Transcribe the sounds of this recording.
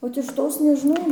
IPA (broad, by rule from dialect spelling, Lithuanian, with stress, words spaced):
oːt ɪʃ ˈtoːs nʲɛʒʲɪˈnɐʊ